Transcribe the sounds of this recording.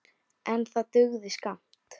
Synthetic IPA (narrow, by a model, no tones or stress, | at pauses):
ɛnθat̪ʏɣðɪskam̥t̪